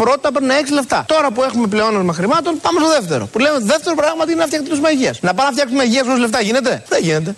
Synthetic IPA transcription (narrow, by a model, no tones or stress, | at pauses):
pɾo̞t̪it̪ɐpɾinɐe̞ksile̞pt̪ɐ̰t̪o̞ɾɐpue̞xume̞pleo̞nɐmɐxɾimɐt̪o̞npɐmest̪o̞ðeft̪eɾo̞̰pule̞meðeft̪e̞ɾopɾɐɣmɐt̪iinenɐft̪ɐkt̪it̪usmɐʝiɐsnɐpɐnɐft̪çɐksumeɐʝiɐsosle̞ft̪ɐʝine̞t̪e̞ðeʝine̞t̪̬e̞